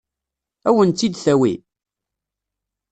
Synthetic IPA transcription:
æwənt̪ːid̪θæwḭ

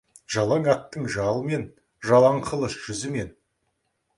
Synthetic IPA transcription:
ʒɑlˠɑŋɑt̪ːəɴʒɑlˠme̞n | ʒɑlˠɑɴqʰəlˠəsʒ̥ʏzɪme̞n

